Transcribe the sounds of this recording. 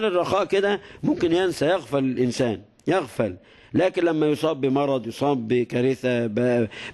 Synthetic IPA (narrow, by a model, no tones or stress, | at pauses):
lɪrˤːɑxɑːʔkɪd̪æmʊmkɪnjænsæjaɣfælɪlʔɪnsaːn | jæɣfælː | æːkɪnlæmːæjosˤɑːbːimɑɾˤɑd̪ˤjosˤɑːbːɪkæɾɪθab